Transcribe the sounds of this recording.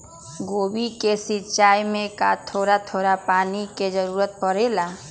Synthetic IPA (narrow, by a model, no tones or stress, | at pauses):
ɡobikesit͡ʃajmẽka̰t̪ʰoɾat̪ʰoːɾapaniked͡ʒəɾuːɾət̪̚pəɾela